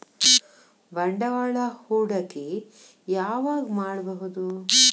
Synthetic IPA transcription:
ʋɐɳɖɐʋɐɭɐhuːɽɐki | jaːʋaːɡmaːɽbɐɦud̪u

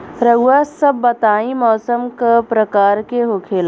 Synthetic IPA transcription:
ɾɐɡwasɐbːɐt̪aːĩmɔːsəmkapɾɐkaːɾkeɦokʰeːla

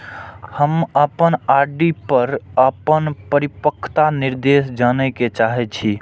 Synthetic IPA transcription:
həməpənaɾɖipəɾəpənpəɾipəkʰːt̪aniɾd̪esd͡ʒanəket͡ʃaɦɛt͡ʃʰi

